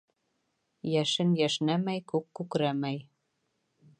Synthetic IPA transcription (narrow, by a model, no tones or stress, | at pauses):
jæʃɘ̆njæʃnæmæjkokːukɾæmæj